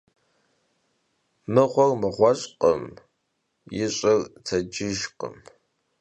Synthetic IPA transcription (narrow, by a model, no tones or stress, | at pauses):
nɨʁʷɔrmɨʁʷɔɕʼqə̰m | jɪɕʼɪrt͡sʰɐd͡ʒɪʒqə̰m